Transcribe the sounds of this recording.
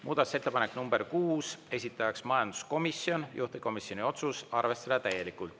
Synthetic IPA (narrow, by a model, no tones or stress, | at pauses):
mʔuːd̪ɑt̪u̥se̞t̪ːe̞pɑneknumbe̞rkuːse̞sʲit̪ːˑɑjɑksmɑjɑnd̪̥u̥sko̞misjo̞njʔuht̪iko̞misjo̞nio̞t̪susɑrve̞st̪ɑd̪ɑt̪æje̞likːˑult̪